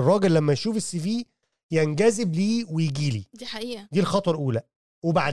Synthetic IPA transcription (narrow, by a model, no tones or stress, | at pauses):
rˤːɑːɡelːæmːæjʃuːfesːefiː | jænɡæzebliːwejeɡiːlid̪iħaʔiːʔæd̪iːlxɑt̪ˤɑɾˤʔuːlæ | webaʕ